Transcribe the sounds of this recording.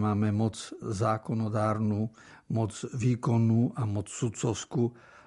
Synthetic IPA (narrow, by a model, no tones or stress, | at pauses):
maːmɛmɔd͡zzaːkɔnɔd̪aːɾnu | mɔd͡zʋiːkɔnːuːʔamɔt͡ssut͡sɔʊskuː